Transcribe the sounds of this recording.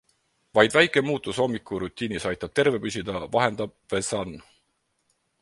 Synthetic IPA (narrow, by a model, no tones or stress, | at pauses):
vɑjd̪væjkˑemuːt̪ːˑuso̞mːikːˑuɾut̪ʲˑːiːnisɑjt̪ːˑɑb̥̚t̪e̞ɾve̞pysʲid̪ɑvɑɦe̞nd̪̥ɑb̚vesɑn